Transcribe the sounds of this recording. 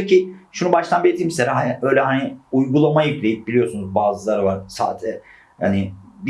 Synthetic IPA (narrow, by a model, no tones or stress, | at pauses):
cʰiʃunubaʃlt̪ʰˠanbiet̪ʰimseɾaɦanø̞jlʲɛɦaniujɡulˠamajɯklʲejip̚bilʲijo̞sunuzbaːzɯlˠaɾɯvaɾ̥sa̰ːt̪ʰɛ | ha̰nɪb